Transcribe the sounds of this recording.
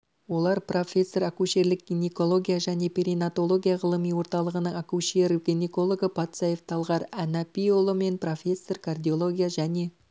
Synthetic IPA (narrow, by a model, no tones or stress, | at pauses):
wo̞lˠɑɾprʔo̞fʲe̞sːo̞ɾakuʃe̞ɾlɪk̚ɡ̥ʲiniko̞lˠo̞ɡʲijaʒæne̞pʰʲiɾinat̪o̞lˠo̞ɡʲijaʁəlˠəmijwo̞ɾt̪ɑlˠəʁənəɴakuʃeɾɡ̥ʲiniko̞lˠo̞ɡəpʰɑt̪sɑjeft̪ʰɑlˠʁɑɾænapʲijolˠome̞npro̞fʲe̞sːo̞rkʰard̪ʲijo̞lˠo̞ɡʲijaʒæne̞